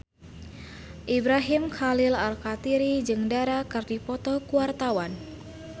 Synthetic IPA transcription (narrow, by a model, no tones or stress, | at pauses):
ʔibɾaɦimxalilalkat̪iɾid͡ʒɨŋdaɾakɨrdipɔt̪ɔkuwart̪awan